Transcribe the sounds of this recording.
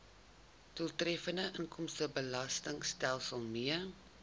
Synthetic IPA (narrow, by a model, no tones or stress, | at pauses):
dulˠtrɛfəndəʔəŋkɔmstəbəlɐstəŋstælˠsəlˠmiə